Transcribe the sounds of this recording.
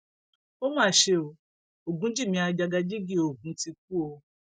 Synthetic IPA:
o˦mãː˦˨ʃe˧o˧ | o˨ɡũ˨˦d͡ʒi˦˨mĩ˧˦a˧d͡ʒa˧ɡa˧d͡ʒi˦ɡi˦˨o˨ɡ̚ũ˨˦ti˧k̚u˦o˧

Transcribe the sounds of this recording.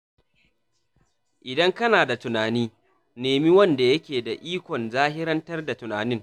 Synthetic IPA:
ʔɪ˨dɐ˦ŋkɐ˦naː˨da˨tʊ˨naː˨niː˦ | neː˨mi˦wɐ˦nda˨jɐ˦kʲeː˨da˨ʔiː˦kʷɔ˨nzaː˦ɦɪ˦ɾɐ˦ntɐ˦rda˨tʊ˨naː˨nɪ˦ŋ

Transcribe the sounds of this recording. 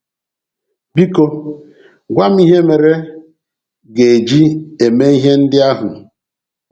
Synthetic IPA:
bi˦ko˦ | ɡʷa˦m˦i˦ɦe˦me˨ɾe˦ | ɡe˨e˨d͡ʒi˦e˨me˦i˦ɦe˦n̩˦dɪ˦a˦ɦʊ˨

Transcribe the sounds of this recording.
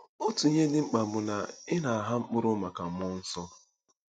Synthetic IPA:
o˦tu˨ɲe˦dɪ˦ŋ͡m̩˦k͡pa˨mʊ˨na̰˨ɪ˦na˨a˨ɦa˦ŋ͡m̩˦k͡pʊ˦ɾʊ˦ma˨ka˨m˦ʊ˦n̩˦sɔ˦

